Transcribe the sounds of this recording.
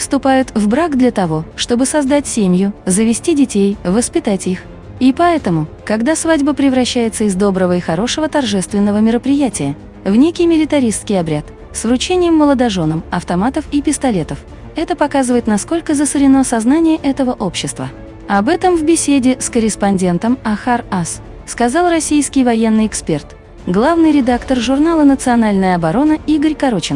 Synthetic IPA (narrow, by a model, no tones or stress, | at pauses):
fst̪ʊpajʊt̪vbɾaɡd̪lʲɐt̪ɐvo̞ʂt̪o̞bɨsɐzd̪atʲsʲemʲjʊzəvʲɪsʲtʲidʲɪtʲejvəspʲɪt̪atʲix | ipɐɛt̪əmʊ | kɐɡd̪asvadʲbəpɾʲɪvɾɐɕːæjɪt̪səɪzd̪o̞bɾəvəixɐɾo̞ʂəvət̪ɐrʐɛst̪vʲɪnːəvəmʲɪɾəpɾʲɪjætʲɪjə | vnʲekʲɪjmʲɪlʲɪt̪ɐɾʲiskʲɪjɐbɾʲat̪ | svrʊt͡ɕenʲɪjəmːəlˠəd̪ɐʐo̞nəmɐft̪ɐmat̪əfipʲɪst̪ɐlʲe̞t̪əf | ɛt̪əpɐkazɨvəjɪt̪nɐsko̞lʲkəzəsɨɾʲɪnosɐznanʲɪjəʔɛt̪əvəʔo̞pɕːɪst̪və̰ | ɐbɛt̪əmvbʲɪsʲedʲɪskəɾʲɪspɐnʲdʲe̞nt̪əmɐxaras | skɐzalˠrɐsʲijskʲɪjvɐjenːɨjɪkspʲe̞rt̪ | ɡlˠavnɨjɾʲɪd̪akt̪ərʐʊrnalˠənət̪sɨɐnalʲnəjəɐbɐɾo̞nəiɡəɾʲkɐɾo̞t͡ɕɪn